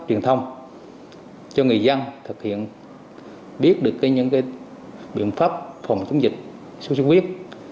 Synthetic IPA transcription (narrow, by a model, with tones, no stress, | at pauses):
t͡ɕwi˨˩ənt̪ʰə˧wŋ͡m | t͡ɕɔ˧ŋɨ˨˩əjzə˧nt̪ʰɨ˨˩k̚hḭ˧˨ən | ɓi˦˥ət̚ɗɨ˨˩əkːaː˨˦jɲɨ̰˧˥ŋkaː˨˦j | ɓḭ˧˨ənfaː˦˥p̚fə˨˩wŋ͡mt͡ɕu˨˦ŋ͡mzï˨˩k̟̚ | su˧˦su˧˦kwi˦˥ət̚